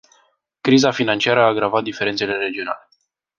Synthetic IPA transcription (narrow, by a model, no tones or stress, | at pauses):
kɾizafinant͡ʃiaɾəaːɡɾavat̪̚d̪ifeɾet̪se̞le̞ɾe̞d͡ʒio̞na̰le̞